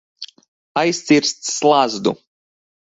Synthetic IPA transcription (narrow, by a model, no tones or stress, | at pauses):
ajst̪siɾst̪slˠazd̪u